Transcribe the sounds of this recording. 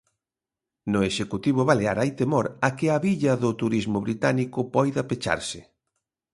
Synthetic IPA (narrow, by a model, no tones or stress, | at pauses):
nʊeʃekut̪iβ̞ʊβaleaɾajt̪emɔɾakɪɐβiʎɐðʊt̪uɾizmʊβɾit̪anikʊpɔjðɐpet͡ʃa̰ɾsɪ